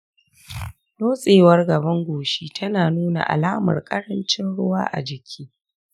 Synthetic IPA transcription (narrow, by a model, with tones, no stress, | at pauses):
noː˦sʼeː˨wɐ˦rɡɐ˨bɐ˦ŋɡʷoː˨ʃiː˦tʰɐ˦naː˨nuː˦na̰˨ʔa̰˨laː˦mɐ̰˨rkʼɐ˦ɽɐ˦nt͡ʃɪ˦nɽʊ˦waː˦ʔa̰˨d͡ʒɪ˨kʲʰiː˦